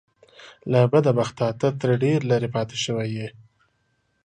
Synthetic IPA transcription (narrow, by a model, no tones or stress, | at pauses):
labad̪abaxt̪ɑt̪at̪əɾɖeɾlaɾepɑt̪e̥ʃəwaje